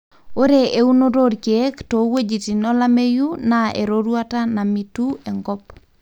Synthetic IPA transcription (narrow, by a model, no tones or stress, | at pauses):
oɾeʔeunodoɾkektowed͡ʒitinolamejunaʔḛɾoɾwatanamitueŋɡɔp